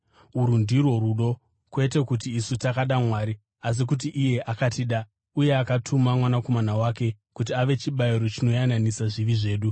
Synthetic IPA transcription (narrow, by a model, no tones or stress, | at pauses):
uɾundirwo̞ɾuɗo̞ | kwe̞te̞kutiːsutakaɗamwaːɾi | as̬ikut̬iʔije̞ʔakatiɗa | uje̞akatʰumamwanako̞manawake̞ | kut̬iaʋe̞t͡ʃiɓaiɾo̞t͡ʃino̞jananisaʐiʋiʐe̞ːɗu